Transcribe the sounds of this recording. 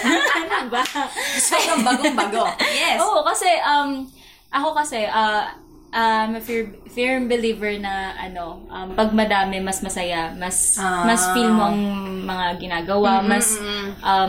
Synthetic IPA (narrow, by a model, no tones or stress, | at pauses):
anɐbɐsobɾɐŋbɐɡoŋbɐɡojɛsʔoːʔokɐsɛʔɐm | ʔɐko̞kɐsɛʔɐ | ʔɐmɐfiɹfiɹmbɪliːvɛɹnɐʔɐ̰no̞ʔɐmpɐɡ̚mɐd̪aːmɛmɐsmɐsɐjamɐsmɐsfilmoʔɐŋmɐŋaɡɪnaːɡɐwamɐsʔɐm